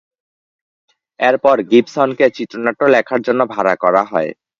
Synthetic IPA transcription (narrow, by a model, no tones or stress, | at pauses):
eɾpɔɾɡipsɔnket͡ɕit̪ːɾonaʈːolɛkʰaɾd͡ʑonːobʱaɾakɔɾaɦɔe